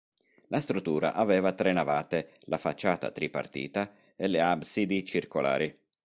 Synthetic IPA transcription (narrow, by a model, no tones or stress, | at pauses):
last̪ɾut̪ːuːɾa̰ʔavɛːvat̪ɾenavaːt̪e | lafat͡ʃːaːt̪a̰t̪ɾipa̰rt̪ḭːt̪a | eleabsid̪it͡ʃirkola̰ːɾi